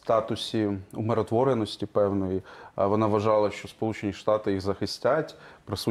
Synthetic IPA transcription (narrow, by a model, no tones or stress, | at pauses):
st̪ɑt̪ʊsʲiṵmeɾɔt̪ʋɔɾenɔsʲtʲipɛwnɔjiʋɔnɑʋɐʒɑlˠɐʃt͡ʃɔspɔlˠut͡ʃenʲiʃt̪ɑt̪ɪjiɣzɐxɪsʲtʲatʲpɾɐsu